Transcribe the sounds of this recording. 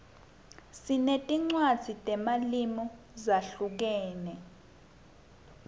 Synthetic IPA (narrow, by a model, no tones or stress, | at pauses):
sinetʼiŋ͡ǀwad̥z̥ʱitʼɛmalimɔ | zaɬuk̬ɛːnɛ